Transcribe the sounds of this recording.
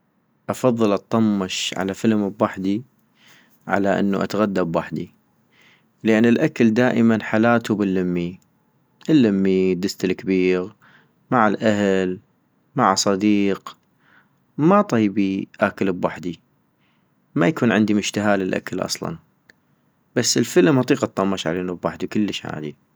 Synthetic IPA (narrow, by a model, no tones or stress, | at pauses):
ʔɑfɑðˤːɨlɨt̪ˤːɑmːɨʃʕa̰lafəlmbwaħd̪i | ʕa̰laʔɪ̰nːuʔa̰t̪aɣad̪ːabwaħd̪i | ləʔanːɪlʔakald̪aːʔəmanħalaːt̪ubɪlːamːi | ʔɪlːamːid̪ɪst̪ɪlkbiːɣ | maʕɪlʔahl | maʕsˤɑd̪iːq | mat̪ˤɑjbiʔakalbwaħd̪i | majakuːnʕɪnd̪imʊʃt̪aɦaːlɪlʔa̰kalʔɑ̰sˤlɑ̰n | b̥asːəlfəlmhɑt̪ˤiːqɑt̪ˤːɑmːɑʃʕa̰leːnubwaħd̪ikʊlːəʃha̰ːd̪i